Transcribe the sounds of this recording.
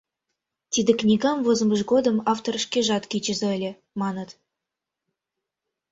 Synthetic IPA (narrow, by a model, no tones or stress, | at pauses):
t̪ʲid̪ʲĕknʲiɡɑmvozə̆məʐɡod̪ə̆mɑft̪orəʂkʲeʒɑt̪kʲit͡ɕə̆zɤ̆əlʲĕ | mɑnə̆t̪